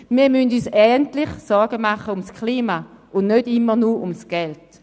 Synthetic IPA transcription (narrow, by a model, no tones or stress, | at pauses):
miːɐmyndyːsɛːɡəntlɪχsɔɾɡ̥əmaχəʊmskʰliːmaʊnnødɪmːənuʊmsɡ̥ɛlt